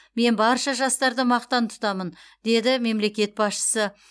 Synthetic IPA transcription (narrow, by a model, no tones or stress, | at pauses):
me̞nbɑɾʃɑʒɑst̪ɑɾd̪əmɑqt̪ɑnt̪ʰʊ̥t̪ɑmənd̪e̞d̪ɪme̞mle̞kʲe̞t̪̚bɑsʃə̥sə